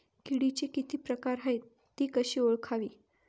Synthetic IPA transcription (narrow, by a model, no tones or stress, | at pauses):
kiɽit͡ɕikit̪iːpɾəkaɾɦəj | t̪iːkəɕiːoɭkʰaʋiː